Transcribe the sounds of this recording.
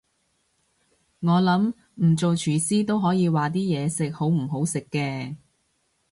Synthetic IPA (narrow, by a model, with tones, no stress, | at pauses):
ŋɔː˨˧lɐ˨˥m | m̩˨˩t͡so˨wt͡ʃʰyː˨˩siː˥t̪o˥wɦɔː˨˥jiː˨˧waː˨t̪̬iː˥jɛː˨˧sɪ˨k̚ho˨˥wm̩˨˩ɦo˨˥wsɪ˨kːɛː˧